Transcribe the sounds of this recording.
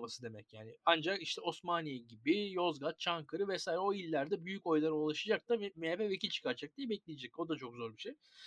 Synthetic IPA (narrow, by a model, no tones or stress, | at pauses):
masɯd̪e̞mɛcjaːnɪand͡ʒakiʃt̪ʰɛo̞smanijeɟibɪjo̞zɡat̪̚t͡ʃʰaŋkʰɯɾɯvɛsaːjiɾɛo̞ilʲːæɾd̪ɛbyjyco̞jlˠaɾɯolˠaʃad͡ʒak̚d̪ameepɛvecʰilʲt͡ʃʰɯ̥kʰaɾt͡ʃʰak̚d̪ijɛbɛclʲijed͡ʒɛc̚o̞d̪at͡ʃʰo̞kzo̞ɾbiʃej